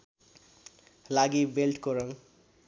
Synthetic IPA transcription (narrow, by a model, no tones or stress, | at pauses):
laɡibelʈkoɾʌŋ